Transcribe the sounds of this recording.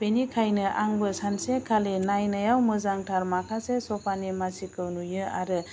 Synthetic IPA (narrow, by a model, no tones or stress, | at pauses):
b̥enikʰajnɯʔaŋbɯsansekʰalenajnajawmɯzaŋtʰaɾmakʰasesɔpʰanemasikɯwnujɯa̰ɾɯ